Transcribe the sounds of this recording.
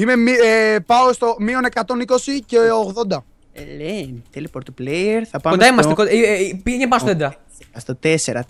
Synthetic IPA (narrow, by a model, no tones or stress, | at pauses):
ime̞miepɐost̪o̞mio̞ne̞kɐt̪o̞niko̞siceoɣðo̞nd̪ɐ | elent̪elipoɾt̪oplejeɾθɐpɐod̪ɐimɐst̪ekoipieɲepɐsoed̪ɐ | ɐst̪ot̪eseɾɐ